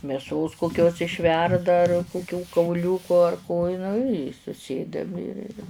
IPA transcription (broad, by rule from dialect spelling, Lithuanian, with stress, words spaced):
mʲeːˈsoːs koːkˈkʲoːs ɪʃʲˈʋʲɛrdɐ ɐr kʊˈkʲuː kɐʊˈlʲuːkʊ ɐr koː ɪ nʊ ɪ sʊˈsʲeːdɐm ɪr ɪr